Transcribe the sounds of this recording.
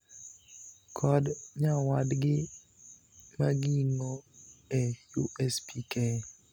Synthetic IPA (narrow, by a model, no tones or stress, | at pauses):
kʰɔdɲawadɡɪ | maɡiiŋɔɛjuʔɛspikɛ